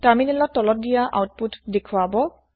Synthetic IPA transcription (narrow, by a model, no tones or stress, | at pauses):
taminɛlɔttːɔlɔt̚dijaʔa̰wt̚putdekʰwabɔ